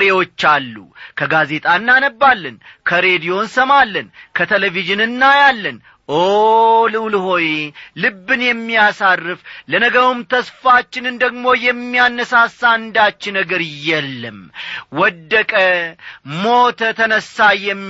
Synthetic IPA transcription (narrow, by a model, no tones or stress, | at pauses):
ɾewo̞t͡ʃːalːṵkʰəɡaze̞t̪ʼanːanəbːalːənkʰəɾe̞d̪ijo̞nsəmalːənkʰət̪ʰeleviʒɨnɨnːajalːən | ʔolɨwlho̞jelɨbːɨnjɛmːijasarːɨflənəɡəɾumt̪ʰəsfat͡ʃːɪnɨnd̪əɡmo̞jɛmːijanːəsasːaɨnd̪at͡ʃːɪnəɡəɾjɛlːəmwɔd̪ːəkʼə | mot̪ʰət̪ʰənəsːajːɛmː